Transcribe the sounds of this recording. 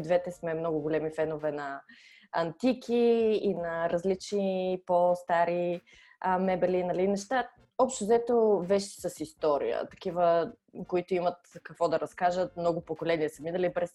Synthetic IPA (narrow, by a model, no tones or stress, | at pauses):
d̪vɛt̪ɛsmɛmnɔɡʊɡolɛmifɛnovɛnɐ | ɐnt̪ikʰiinɐɾɐzlit͡ʃnipost̪aɾi | mɛbɛlinɐlinɛʃt̪a | ɔpʃt̪ozɛt̪ovɛʃt̪i̥səsist̪ɔɾḭjə̰t̪ɐ̥k̟ivəkoit̪oimɐt̪kəkvɔd̪ɐɾɐskaʒət̪̚mnɔɡʊpokolɛniɛsəminɐlipɾɛs